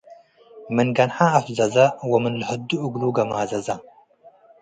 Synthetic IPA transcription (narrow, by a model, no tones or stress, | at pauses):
mɨnɡɐnħaːfzɐzɐwɐmɨnlɨħɨd̪ːuʔɨɡluɡɐmaːzɐzɐ